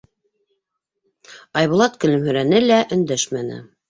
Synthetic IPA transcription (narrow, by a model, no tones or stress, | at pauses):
ɑjβŭlˠɑt̪kɵ̆lɵ̆mhɵ̆ɾænɘlæʔɵ̆nd̪æʃmænɘ̰